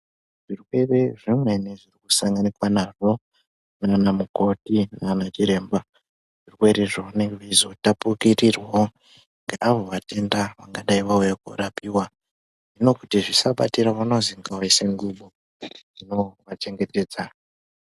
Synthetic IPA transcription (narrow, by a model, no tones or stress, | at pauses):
ʐ̥irwe̞reʐimwe̞neʐirikusaŋɡanikwanaːʐo̞ | nanamuko̞tinanat͡ʃiɾe̞ːmba | ʐ̥irwe̞ɾiʐoneʋizo̞tapukirirwa | ŋɡaʔaʋo̞ʋate̞ndaʋaŋɡaɗaiʋaujakurapiwa | ʐino̞kutiʐisaɓatiɾaʋanoziŋɡawaiseŋɡuɓo | d͡zino̞ʋat͡ʃe̞ŋɡe̞te̞ːd͡za